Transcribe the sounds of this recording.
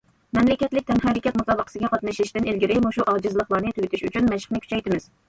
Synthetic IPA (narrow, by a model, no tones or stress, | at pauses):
mɛmlɪkʲɛt̪lɪk̚ʲt̪ʰɛmɦɛɾɪkʲɛt̪musɑːbəqʰəsɪɡʲɛqɑt̪nɨʃlɪʃt̪ɪnelɡʲɪɾɪmuʃuʔɑd͡ʒɨzɨlˠəχlˠɑɾnɨt̪ʰyɡʲɪt̪ʰɪʃyt͡ʃʰynmɛʃə̥χnɨkʰʲy̥t͡ʃʰɛjt̪ɪmɪz̥